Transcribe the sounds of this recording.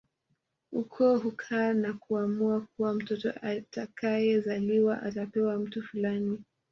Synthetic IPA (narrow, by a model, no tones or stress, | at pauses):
ukʰɔɦukʰaːnakuamuak̚uwam̩tɔtɔ̰ʔatakʰajɛzaliwaʔatapɛwam̩tufulani